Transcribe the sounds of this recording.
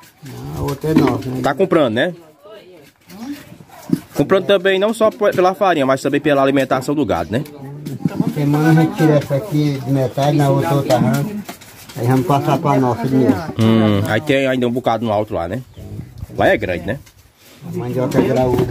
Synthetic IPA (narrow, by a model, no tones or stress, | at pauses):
aot̪ɾɐɛnɔsnɛt̪akõmpɾɐ̃d̪ʊnɛ | kõmpɾɐ̃nd̪ʊt̪ɐ̃bẽj̃nɐ̃w̃sɔpelɐafaɾĩɲɐmast̪ɐ̃mbẽj̃pelɐalimẽnt̪asɐ̃w̃d̪ʊɡa̰d̪ʊnɛ | sẽmɐ̃nuɦẽt͡ʃiɾɛsɐkid͡ʒɪmet̪ad͡ʒɪnɐot̪ɾɐot̪ɾaɦɐ̃ | aivɐ̃mʊpasapɾanɔsidimeʊũa̰it̪ẽj̃j̃aĩd̪ɐũbukad̪ʊnʊawt̪ɾʊla̰nɛ | laɛɡɾɐ̃d͡ʒɪnɛ | mɐ̃d͡ʒɔkɛɡɾaud̪ɐ